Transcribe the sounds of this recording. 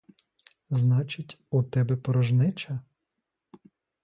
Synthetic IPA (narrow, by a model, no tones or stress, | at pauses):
znɑt͡ʃɪtʲut̪ɛbɛpɔɾɐʒnɪt͡ʃɐ